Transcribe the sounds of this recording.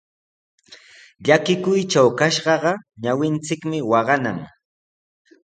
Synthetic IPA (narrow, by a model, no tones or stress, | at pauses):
ʎakɪkʊjt͡ʃawkaʃɢɑɢɑɲawɪnt͡sɪkmɪwɑɢɑna̰ŋ